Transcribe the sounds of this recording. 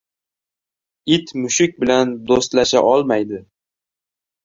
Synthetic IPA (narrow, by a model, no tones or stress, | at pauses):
ɪt̪mʊʃɪk̚ʲbɪland̪ost̪laʃa̰ʔɒlˠmajd̪ɪ